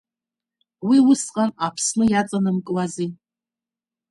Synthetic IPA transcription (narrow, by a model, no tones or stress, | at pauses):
wiwʊsqʼanapʰsnɨjat͡sʼanɨmkʼwazi